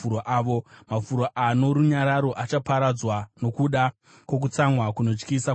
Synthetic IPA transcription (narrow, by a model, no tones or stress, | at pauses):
ɾoʔaːʋo̞mafuɾoʔano̞ɾuɲaɾaɾo̞ʔat͡ʃapaɾad͡zwano̞kuɗa | kwo̞k̬ut͡samwakuno̞t͡ʃkisa